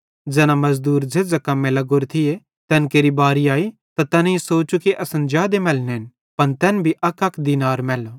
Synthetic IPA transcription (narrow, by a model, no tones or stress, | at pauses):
d͡ʒɛːnãmɐzd̪uːɾd͡ʒed͡zɐkamẽlɐɡoːɾt̪ʰɪe | t̪ɛːnkeːɾibaːɾiaːi | t̪at̪ɛːnesoːt͡ʃukiʔɐsənd͡ʒaːd̪emɛːlneɦɪn | pɐnt̪ɛːnbʱiʔɐkɐkʰd̪iːnaːɾmɛːlo